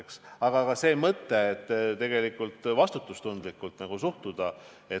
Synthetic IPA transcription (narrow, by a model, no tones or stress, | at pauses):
ksɑɡ̥ɑkɑse̞ːmɤt̪ːe̞ːt̪ːt̪e̞ɡe̞likːˑult̪vɑst̪ut̪ːˑust̪und̪̥likːˑult̪nɑɡ̥usuht̪ud̪̥ɑ | e̞